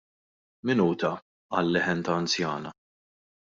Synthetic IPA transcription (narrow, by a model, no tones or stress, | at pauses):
mɪnuːt̪ɐ | ɐlːɪħɛnt̪ɐːnt͡sjɐːnɐ